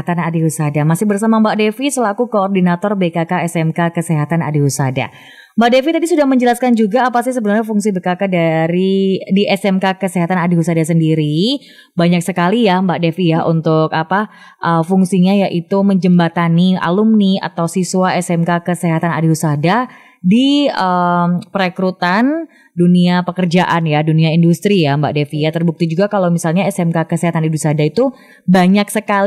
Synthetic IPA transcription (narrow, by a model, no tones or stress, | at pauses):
t̪anadiɦusadamasɪhbərsamambaʔdefisəlaɡukoːrdinat̪ɔrbekakaɛsɛmkakəseɦat̪ana̰dihusada̰ | mbaʔdefit̪adisudahməɲd͡ʒəlaskand͡ʒuɡaːpasɪhs̬əbənarɲafuŋsibekakadaɾidiʔɛsɛmkakəseɦat̪anadiɦusadas̬əndiɾi | baɲak̚səkalijambaʔdefijaunt̪ʊkapa | ʔəfuŋsiɲajaʔit̪uməɲd͡ʒəmbat̪ania̰lumnia̰t̪awsisuaɛsɛmkakəseɦat̪ana̰diɦusada | diəmpəɾekɾut̪an | duniapəkərd͡ʒaʔanjaduniaindust̪ɾijamba̰ʔdefijat̪ərbuk̚t̪id͡ʒuɡakalawmisalɲaɛsɛmkakəseɦat̪anidusadait̪u | baɲak̚səkal